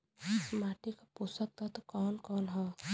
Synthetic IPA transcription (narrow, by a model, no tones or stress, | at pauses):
smaːʈikapusək̚t̪ɔt̪kɔːnkɔːnɦɛ